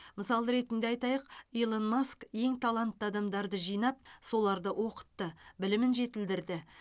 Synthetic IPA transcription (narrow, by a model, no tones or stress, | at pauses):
məsɑlˠəɾe̞t̪ɪnd̪eɑjt̪ɑjəqijlˠonmoskje̞ŋt̪ʰalˠant̪ːəɑd̪ɑmd̪ɑɾd̪əʒijnɑp̚so̞lˠɑɾd̪əwo̞qə̥t̪ːəbɪlɪmɪnʒe̞t̪ɪld̪ɪɾd̪ɪ